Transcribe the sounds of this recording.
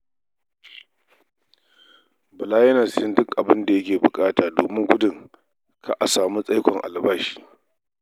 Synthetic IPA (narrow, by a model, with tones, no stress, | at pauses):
bɐ˨laː˦jɐ˦na˨sɪ˦ndʊ˦kʔa˨bɪ˦nda˨jɐ˦kʲeː˨bʊ˨kʼaː˦taː˨doː˨mɪ˦ŋɡʷʊ˦dɪ˨ŋ | kʰa˦ʔa˨saː˨mu˦sʼa˦jkʷɔ˨ŋʔa̰˨lbaː˦ʃi̥ː˦˨